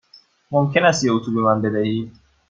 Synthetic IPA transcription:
momcʲʰe̞næst̪jeut̪ʰube̞mænbe̞d̪æhiːd̪

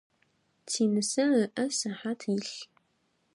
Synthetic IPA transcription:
tʰiːnɨsɐəʔɐsɐħaːtʰjɪɬ

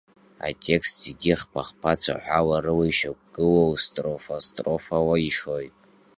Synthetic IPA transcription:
a̰tʲʰʼe̞kstzeɡʲiχpʰaχpʰat͡sʷʰa̰ħʷawarɨwijʃak̚ʷʼɡ̥ɨlowstʼrofostʼro̞fawaiʂo̞jtʼ

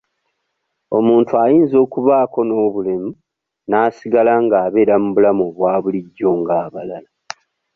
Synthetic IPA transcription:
o̞muːntuajiːnzo̞ːkuβaːko̞no̞ːβulemu | naːsiɡalaŋɡaːβe̞ːɾamuβulamoβwaːβuliɟːo̞ːŋɡaːβalala

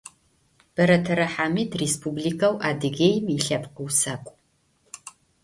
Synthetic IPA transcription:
b̥ɐɾɐtʰɐɾɐħaːmiːtʰrespʰublikʰɐwʔaːdɨɣʲejmiɬɐpʼqəwsɐkʷʼ

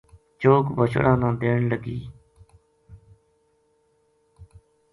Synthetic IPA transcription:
t͡ʃoːkbəʃə̰ɽãːnãːd̪eːɳləɡiː

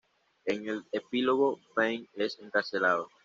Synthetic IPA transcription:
eŋelepiloɣofeŋeseŋkaɾselaðo

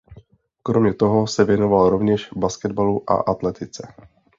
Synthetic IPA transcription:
kɾo̞mɲɛt̪o̞ɦo̞sɛvjɛno̞valɾo̞vɲɛʃbaskɛd̪baluʔa̰ʔat̪lɛt̪ɪt͡sɛ

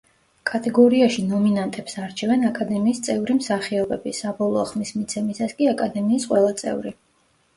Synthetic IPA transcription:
kʼat̪ʼɛɡɔɾiaʃinɔminant̪ʼɛpsaɾt͡ʃʰɛvɛnakʼad̪ɛmiːst̪sʼɛvɾimsaχiɔbɛbisabɔlˠɔːχmismit̪sʰɛmisaskʼiakʼad̪ɛmiːsqʼwɛlˠat̪sʼɛ̰vɾi

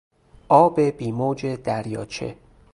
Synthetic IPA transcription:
ʔɒːbebiːmoːd͡ʒe̞d̪æɾjɒːt͡ʃʰe̞̰

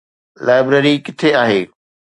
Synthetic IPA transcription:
lʔaːɪbɾeɾikɪt̪ʰeaːɦeː

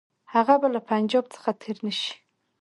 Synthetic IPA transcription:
haɣabalapʰand͡ʒɑb̚t͡sə̥xat̪ʰeɾnəʃi̥

